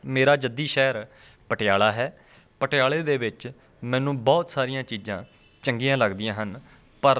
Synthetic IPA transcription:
meːɾaːd͡ʒəd̪iːʃɛːɾ | pəʈɪjaːɭaːɦɛː | pəʈɪjaːɭeːd̪eːʋɪt͡ʃ | mɛ̃ːnũːbɔːt̪saːɾijãːt͡ʃiːzãː | t͡ʃəŋɡijãːləɡd̪ɪjãːɦən | pəɾ

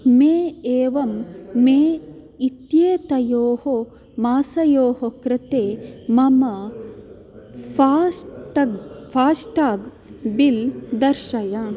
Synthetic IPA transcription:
meːeːʋɐmːeː | it̪jeːt̪ɐjoːho | maːsɐjoːɦokɾɪt̪eːmɐmɐ | aʈɐɡfaːsʈaːɡ | bild̪ɐɾʃɐja

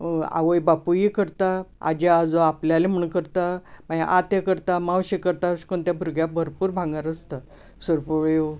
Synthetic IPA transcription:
a̰ʋəjbapujikəɾt̪aa̰d͡ʑead͡zoapljalem̤əɳkəɾt̪amajʔat̪ekəɾt̪amãwɕekəɾt̪aɕkont̪jabʱuɾɡjabʱəɾpuːɾbʱãŋɡaɾəst̪a | səɾpuʋj

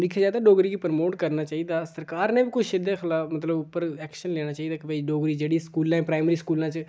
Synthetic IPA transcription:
ɾiːkʰːeːd͡ʒaːd̪aːɖoːɡɾiːɡiːpəɾmoːʈkəɾnaːt͡ʃaːiːd̪aːsəɾkaːɾnẽːbiːkʊt͡ʃʰɪd̪ẽxʰɪlaːfmət̪ləbʊpːəɾɛːkʃənleːñaːt͡ʃaːiːd̪aːkɪbəiːɖoːɡɾiːd͡ʒeːɽiːskuːlãːɛ̃ːpɾaːɪmɾiːskuːlãːt͡ʃə

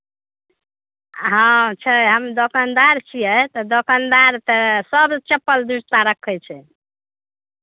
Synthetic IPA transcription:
ɦãt͡ʃʰəɦəmd̪okand̪aɾt͡ʃʰijɛt̪ɔd̪okand̪aɾt̪ɔsəbt͡ʃəpːəld̪uɾt̪aɾəkʰːət͡ʃʰɛ

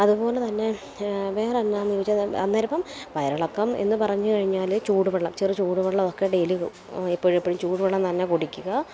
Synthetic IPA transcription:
ɐðupo̞ːlet̪ɐnːe̞ | ʋe̞ːrɐnːaːnːoʋit͡ɕːɐɐ̰nːɐɾipːɐmʋɐjɐɾɐɭɐkːɐme̞̰nːɨpɐrɐɲːukɐɻiɲːaːlt͡ɕuːɽupɐɭːɐmt͡ɕerɨt͡ɕuːɽupeɭːɐmokːeɖeːliɣṵ | epːoɻipːoɻimt͡ɕuːɽupeɭːɐmt̪ɐnːekoɽikʲːuɣɐ

